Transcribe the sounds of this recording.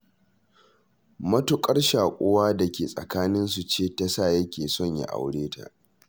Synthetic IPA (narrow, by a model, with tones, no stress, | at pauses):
mɐ˦tʊ˨kʼɐ˦rʃaː˨kʷʼʊ˦waː˦da˨kʲeː˨sʼɐ̰˨kaː˦nɪ˦ns̬u˨t͡ʃeː˦˨ta˦saː˦˨jɐ˦kʲeː˨sɔ˦˨ɲja̰˦ʔa̰˨wɽeː˦tʰa̰˨ʔ